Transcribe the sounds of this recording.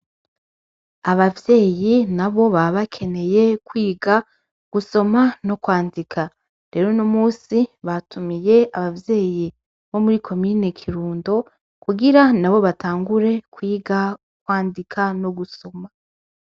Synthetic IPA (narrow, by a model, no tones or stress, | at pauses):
aβavje̞ːjinaβo̞βaβakʰe̞ne̞je̞kwiːɡa | ɡ̥uso̞mano̞kwaːndikʰa | ɾe̞ːɾo̞nomuːsiβatʰumije̞aβavje̞ːji | βo̞muɾikʰo̞miːnekʰiɾuːndo̞ | kuɡiɾanaβo̞βataːŋɡuɾe̞kwiːɡa | kwaːndikʰano̞ɡuso̞ma